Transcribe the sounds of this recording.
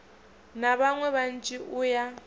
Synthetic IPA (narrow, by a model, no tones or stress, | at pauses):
naβaŋwɛβan̩t͡ʃʼiʔʊja